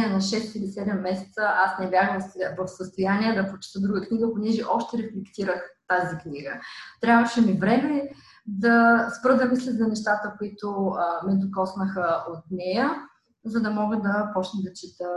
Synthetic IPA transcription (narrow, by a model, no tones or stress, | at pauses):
ɛnɐʃɛst̪ilisɛd̪ɛmːɛsɛ̥t̪səʔasnɛvʲaɡəmsɛvɐfsəst̪ojaniɛd̪ɐpɾot͡ʃi̥t̪əd̪ɾuɡəkniɡəponɛʒɛʔɔʃt̪ɛɾɛflɛkt̪iɾəxt̪azikniɡət̪ɾʲavəʃɛmivɾɛmɛ | d̪ɐspɾɤd̪ɐmislʲɛt̪zɐnɛʃt̪at̪əkoit̪omɛd̪okɔsnəxəʔot̪nɛjə | zɐd̪ɐmɔɡəd̪ɐpɔt͡ʃnɛd̪ɐt͡ʃit̪ə